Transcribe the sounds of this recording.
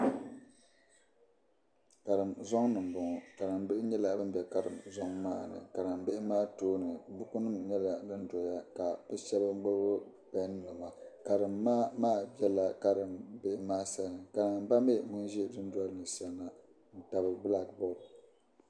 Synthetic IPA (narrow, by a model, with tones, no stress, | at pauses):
ka˨ɾɨ˨mzɔ˦ŋ˦nɨ˨m˨bʊ˨ŋɔ˨ka˨ɾɨ˨mbɪ˦ʔɪ˦ɲɛ˦la˨bɨ˦m̩˦bʲɛ˨ka˨ɾɨ˨mzɔ˦ŋmaː˦˨nɨ̰˨ka˨ɾɨ˨mbɪ˦ʔɪ˦maː˦toː˦nɨ˨bʊ˦ku˦nɨ˦mɲɛ˦la˨dɨ˦n˦dɔ˨ja˦ka˨b̥ɨ˦ʃɛ˦bɨ˦ɡ͡bɨ˦ʊ˦ | bɛ˨˦n˦nɨ˨ma˨ka˨ɾɨ˨mːaː˦maː˦˨bɛ˦la˨ka˦ɾɨ˨mbe˦ʔɪ˦maː˦sa˦˨nɨ˨ka˨ɾɨ˨ba˦me˦ŋʊ˦nʒɛ˦dɨ˦n˦dwa˦lnɨ˨sa˦na˨ | n̩˨ta˨bɨ˦˨bla˦kbɔ˦˨d